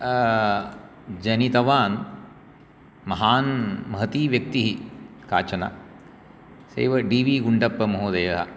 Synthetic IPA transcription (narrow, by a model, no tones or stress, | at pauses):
d͡ʒɐnit̪ɐʋaːn | mɐɦaːnmɐɦɐt̪iːʋjɐk̚t̪iɦika̰ːt͡ʃɐna̰ | sɐ̰jʋɐɖiːʋiːɡuɳɖɐpːɐmɐɦoːd̪eːɐɦɐ̰